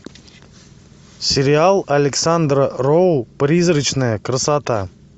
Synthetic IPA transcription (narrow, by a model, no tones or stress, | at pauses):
sʲɪɾʲɪalˠɐlʲɪksand̪rərowpɾʲizrɨt͡ɕnəjəkrəsat̪a